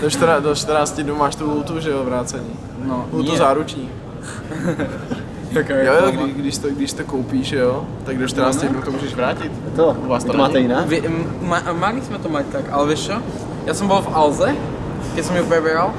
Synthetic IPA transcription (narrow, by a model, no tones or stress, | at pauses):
doʃt̪ɾadoʃt̪əɾnaːt͡st̪ɪdnumaːʃt̪uɦult̪uʒɛovɾaːt͡sɛɲiː | nout̪ozaːɾut͡ʃɲiː | okajojoɡɡdɪʃt̪oɡdɪʃst̪okowpiːʒʒɛo | t̪aɡ̚doʃt̪ɾnaːt͡sst̪ɪdnut̪omuːʒɛʒvɾaːcɪt̪t̪oʔuvaːst̪t̪maːɛjɪnaːvɪmamalismɛt̪omact̪akalɛvɪʃt͡ʃo | jaːsɛmbolfalzɛ | kɛsɛmupɲɛbɛal